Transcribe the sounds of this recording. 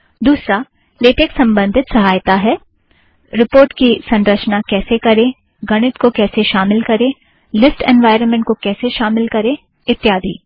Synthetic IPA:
d̪uːsɾa | leːʈeːksɐ̃mbə̃nd̪ʱɪt̪sɐɦaːjt̪aɦɛː | ɾɪpoːɾʈkisɐ̃nɾət͡ʃnakɛːsekɐɾẽ | ɡɐɽ̃ɪt̪kokɛːseʃaːmɪlkɐɾẽː | lɪsʈɛ̰̃ːnʋaːɪɾənmẽɳʈ̚kokɛːseʃaːmɪlkɐɾẽ | ɪt̪ːjaːd̪ʱḭː

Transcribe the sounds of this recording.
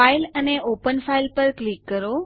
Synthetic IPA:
ailəneʔopənfailpəɾklikːəɾo

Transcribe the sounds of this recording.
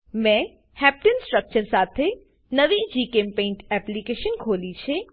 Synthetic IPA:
mɛ̃ | hɛp̚ʈənsʈɾək̚t͡ʃəɾsat̪ʰe | nəʋid͡ʒikempẽːɳʈɛplikeʃənkʰolit͡ʃʰe

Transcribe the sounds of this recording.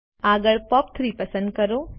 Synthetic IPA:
aːɡəɭpɔːpt̪ʰɾiːpɐsə̃nd̪̚kɐɾoː

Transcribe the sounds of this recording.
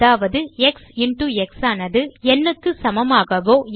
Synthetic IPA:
aːʋɐðɯɛksɪɳʈuːɛksaːnɐðɯɛnːɯkːɯsɐmɐmaːɣɐʋoː

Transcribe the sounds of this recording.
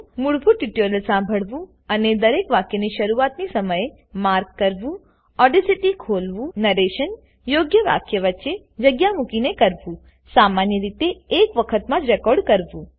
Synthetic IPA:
muɭbʱũʈiʈoɾəlsãmbʱəɭʋũ | əned̪əɾekʋakjəniʃəɾuat̪nisəməje | maɾkːəɾʋũ | ɔɖisiʈikʰolʋũnəɾeʃən | joɡjəʋa̰kjəʋətːʃe | d͡ʒəɡjamukinekəɾʋũ | samanjəɾit̪eːkʋəkʰət̪mãd͡ʒɾɛkɔɾɖkəɾʋũ

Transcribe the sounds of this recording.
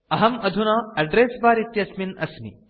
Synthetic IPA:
ɐɦɐmɐd̪ʱunɐːɐɖɾeːsbaːɾit̪jɐsminɐ̰smḭ

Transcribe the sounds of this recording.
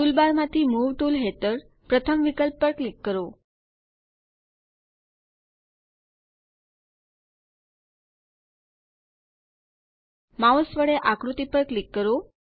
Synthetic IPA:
t̪ulbaɾmãt̪ʰimuʋʈulɦet̪əɾ | pɾət̪ʰəmʋikəlpːəɾklikːəɾo | maosʋəɭeʔakɾut̪ipəɾklikːəɾo

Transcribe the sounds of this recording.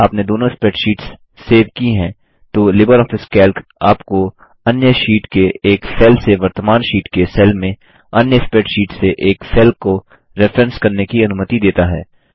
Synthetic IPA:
aːpned̪oːnõɪspɛʈʃiːʈsː | eːʋkiɦɛ̃ː | t̪olɪbəɾɔːfɪskɛːlkaːpko | ɐnjəʃiːʈkeeːksɛːlseʋɐɾt̪əmaːnʃiːʈkesɛːlmẽ | ɐnjəɪspɛːʈʃiːʈseʔeːksɛːlko | ɾɛfɾɛ̃nskɐɾnekiɐnʊmət̪id̪eːt̪aɦɛ̰ː

